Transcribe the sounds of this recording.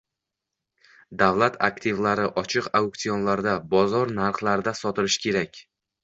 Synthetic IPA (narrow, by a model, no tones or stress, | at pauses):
d̪avlat̪ʰa̰kt̪ʰɪvlaɾɪʔɒt͡ʃʰɨqaukt̪ijonlaɾd̪abɒzɒɾnaɾχlˠaɾd̪asɒt̪ɪlɪʃkʲʰe̞ɾakʲ